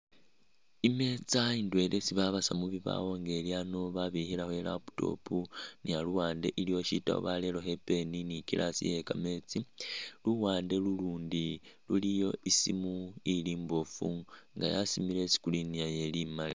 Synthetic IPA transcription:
imet͡saindwe̞lʔesiβaβasamuβiβa̰wo̞ŋɡe̞lianoβaβihilahwelapu̥to̞̰punialuwaːnde̞̰ʔilijo̞ʃita̰o̰βale̞lo̞he̞pe̞ninikilasḭje̞kame̞t͡siluwaːnde̞luluːndi | lulijo̞ʔisimuiliːmbo̞fṵŋɡa̰jasimile̞si̥kuliniajelimali

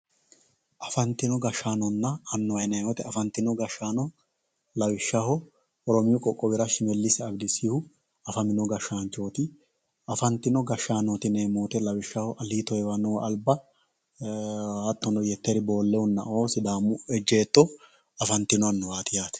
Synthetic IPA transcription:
ʔɐfɐnt̪ːɪnɔɡɐʃaːnɔnːɐɐnːɔwɐjnɐɔt̪ɛɐfɐnt̪ɪnɔɡɐʃːaːnɔ | lɐwɪʃːahɔ | ɔɾɔmɪjɔkʼɔkʼːɔbɪɾɐʃɪmɛlːɪsɪɐbd̪ɪsɪhʊ | ɐfɐmɪnɔɡɐʃːaːnt͡ʃːo̞ːt̪ɪ | ɐfɐnt̪ːɪnɔɡɐʃːaːnɔt̪ɪneːmuːt̪ɛlɐwɪʃːahɔʔɐliːt̪ɔjɛwɐnɔwʔɐlbɐ | hɐt̪ːɔnɔjɛt̪ːɛɾɪbo̞ːlːɛʊnːɐ̰oːsɪd̪aːmʊɛd͡ʒːe̞ːt̪ːɔ | ɐfɐnt̪ːɪnɔɐnːɔwaːt̪ɪjaːt̪ɛ̥

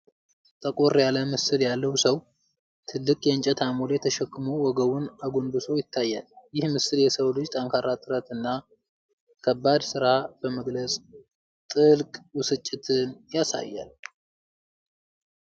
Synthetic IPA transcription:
t̪ʼəkʼoɾjaləmɨsɨljalːəwsəw | t̪ʰɨlːɨkʼjɛɨnt͡ʃʼɛt̪ʰamoljɛt̪ʰəʃɛkːɨmuwɔɡəwunaɡonbɨso̞jɪt̪ʰːajːa̰ljɪhmɨsɨljɛsəwlɨd͡ʒt̪ʼaŋkʰaɾat̪ʼɨɾət̪ɨnːa | kʰəbːad̪sɨɾab̥əməɡləsʼ | t̪ʼɨlkʼwʊsɨt͡ʃʼːɪt̪ʰɨnjasa̰jːa̰l

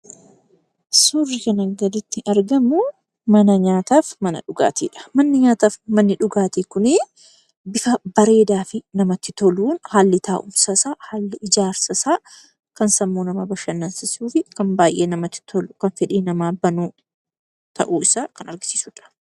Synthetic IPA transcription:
sʊrːɪkɐnɐɡɐd̪ɪt̪ːɪʔɐɾɡɐmʊ | mɐnɐɲaːt̪aːfmɐnɐ̰ᶑʊɡa̰ːt̪ḭːᶑɐ̥mɐnːɪɲaːt̪aːfmɐnːɪᶑʊɡaːt̪iːkʊnɪ | bɪfɐbɐɾe̞ːd̪aːfɪnɐmɐt̪ːɪt̪ɔluːnhaːlːɪt̪aːʔʊ̰msɐsaːhaːlːɪʔɪd͡ʒaːɾsɐsaː | kɐnsɐmːoːnɐmɐbɐʃɐnːɐnsɪsuːfɪkɐnbaːjʔeːnɐmɐt̪ːɪ̥t̪ʰɔlʊkɐnfɛᶑiːnɐmaːbɐnuː | t̪ʰɐ̰ʔuːɪsaːkɐnɐɾɡɪ̥si̥ːsʊᶑɐ̥

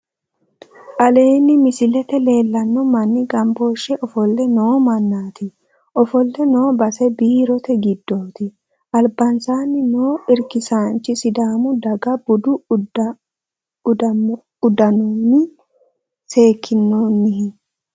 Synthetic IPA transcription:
ʔɐle̞ːnːɪmɪsɪlɛt̪ɛle̞ːlːɐnːʊmɐnːɪɡɐmbo̞ːʃːɛʔɔfɔlːɛnoːmɐnːaːt̪ɪ | ʔɔfɔlːɛno̞ːbɐsɛbiːɾɔt̪ɛɡɪd̪ːo̞ːt̪ɪ | ʔɐlbɐnsaːnːɪnoːʔɪɾkɪsaːnt͡ʃɪsɪd̪aːmʊd̪ɐɡɐbʊd̪ʊ | d̪ | ʊd̪ɐnoːnɪ | se̞ːkʰːɪnːonːɪhɪ

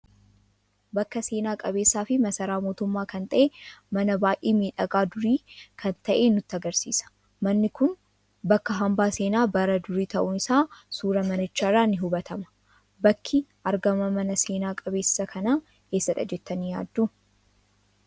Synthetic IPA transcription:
bɐkːɐse̞ːnaːkʼɐbe̞ːsːaːfɪmɐsɐɾaːmo̞ːt̪ʊmːaːkɐnt̪ʼɐʔeːmɐnɐbaːjʔeːmiːᶑɐkʼaːd̪ʊɾiːkʰɐnt̪ɐʔeːnʊt̪ːɐɡɐɾsḭːsɐ̥ | mɐnːɪkʊn | bɐkːɐɦɐmbaːse̞ːnaːbɐɾɐd̪ʊɾiːt̪ɐʔʊnɪsaːsuːɾɐmɐnɪt͡ʃːaːraːnːɪɦʊbɐt̪ɐmɐ̥ | bɐkʰːɪʔɐɾɡɐmɐmɐnɐseːnaːkʼɐbe̞ːsːɐkʰɐnaː | eːsːɐᶑɐ̰d͡ʒɛt̪ːɐniːja̰ːd̪ːuː

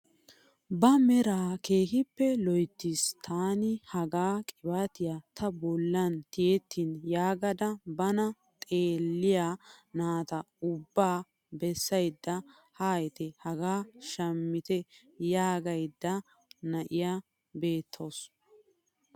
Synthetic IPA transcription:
bɐmɛɾaːke̞ːhɪpːɛlɔjt̪ːist̪ʰaːnɪhɐɡaːkʼɪbaːt̪ɪjat̪ʰɐbɔlːɐnt̪ɪjɛt̪ʰːinjaːɡɐd̪ɐbɐnɐ | t̪ʼeːlːɪjaːnaːt̪ɐʊbːaː | bɛsːɐjd̪ːɐ | haːjɛt̪ɛhɐɡaːʃɐmːɪt̪ɛ | jaːɡɐjd̪ːɐ | nɐʔɪjaː | be̞ːt̪ʰːo̞ːs

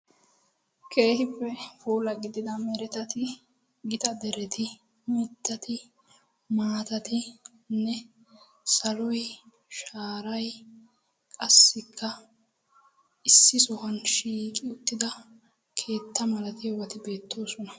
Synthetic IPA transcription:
kʰe̞ːhɪpːɛfuːlɐɡɪd̪ɪd̪ɐmɛɾɛt̪ɐt̪ɪ | ɡɪt̪ʼɐd̪ɛɾɛt̪ʰɪ | mɪt̪ːɐt̪ʰɪ | maːt̪ɐt̪ɪ | nːɛ | sɐlɔj | ʃaːɾɐj | kʼɐsːɪkʰːɐ | ɪsːɪsɔhɐnʃiːkʼɪʊt̪ːɪd̪ɐ | kʰe̞ːt̪ːɐmɐlɐt̪ɪɔwɐt̪ɪbe̞ːt̪ːo̞ːsɔnɐ

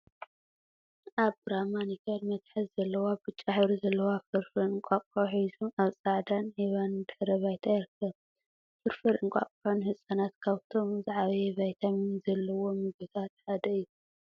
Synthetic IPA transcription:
ʔaβbɾamanikʰɐɾmɐt̪ħɐzzɐlːɐwabɨt͡ʃʼːaħβɾzɐlːɐwafɨɾfɨɾɨŋkʷʼakʼoħizumaβsʼaʕd̪anheβand̪ɨħɾɐβajt̪ʰajɪɾkʰːɐβ | fɨɾfɨɾɨŋkʼa̰kʼħonhɨsʼɐnat̪kʰaβt̪ʰo̞mzaʕaβɐjeβajt̪ʰamizɐlːɐwo̞mɨɡɨt̪ʰat̪ħad̪ɐɨjːu

